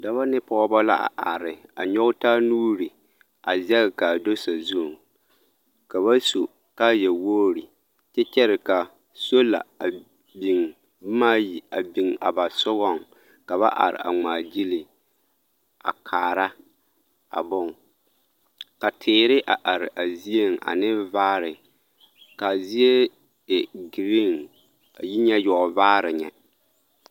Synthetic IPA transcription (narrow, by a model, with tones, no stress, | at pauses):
da˦βa˦nɪ˦pɔː˦bɔ˦la˦ʔa̰˨ʔa˨ɾɪ˨a˨ɲɔ˦ʊ˦ta˦nuː˦ɾi˨ | a˨zɛ˦ɣka˨do˦sa˨zu˦˨ŋ | ka˨βa˦so˨ | ka˦jɛ˨woː˦ɾi˨ | t͡ʃɛ˦t͡ʃɛ˦ɾɪ˨ka˨ | so˦la̰˨a˨ | bi˨ŋ˦ | maː˦ji˨a˨bi˨ŋa̰˨ba˨sʊ˦ɣɔ˦˨ŋ | ka˨βa̰˦ʔa̰˨ɾɪ̰˨a̰˨ŋ͡maː˨d͡ʒi˦li˨ | a̰˨kʰaː˨ɾa˦ | a̰˨bʊ˦˨ŋ | ka˨tʰɪː˨ɾɪ˦ʔa˨ʔa˨ɾɪ̰˨ʔa˨zi˦e˦˨ŋa̰˨nɪ˦vaː˦ɾɪ˨ | ka˨zi˦e˦ | ɪ˨ɡɾi˦ŋ | a̰˨ji˦ɲɛ˦jɔ˨vaː˦ɾɪ˨ɲɛ̰˨